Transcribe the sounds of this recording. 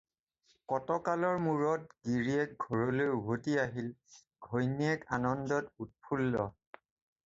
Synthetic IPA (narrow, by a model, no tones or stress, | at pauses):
kɔtɔkalɔɹmuɹɔt̚ɡiɹiɛk̚ɡʱɔɹolojubʱotiaɦil | ɡʱojniɛkanɔndɔtut̚pʰulːɔ̰